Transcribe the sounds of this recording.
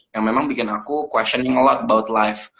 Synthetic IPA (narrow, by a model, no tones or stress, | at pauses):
jaŋmemaŋbikɪnakukwɛsɔnɪŋəlɔt̪̚bawʊt̪lajf